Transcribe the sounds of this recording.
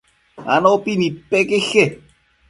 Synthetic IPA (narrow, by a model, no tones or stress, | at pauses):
a̰noopinipekexe